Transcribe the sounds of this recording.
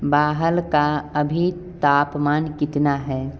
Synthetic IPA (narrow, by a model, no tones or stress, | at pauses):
baːɦəlkaɐbʱit̪aːpmaːnkɪt̪naɦɛː